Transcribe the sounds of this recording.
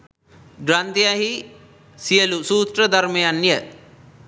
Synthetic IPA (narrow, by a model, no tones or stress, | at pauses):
ɡɾant̪ijaɦi | sijəlusuːsɾəd̪ɐɾmejanːjə